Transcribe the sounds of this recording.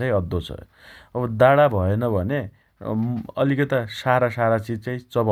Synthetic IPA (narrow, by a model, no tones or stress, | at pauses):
ʌj̃ʌd̪ːot͡sʰʌ̰ | ʌbʌd̪aɽabʱʌenʌbʱʌne | ʌ̰likʌt̪asaɾasaɾat͡sid͡zt͡saĩt͡sʌbʌ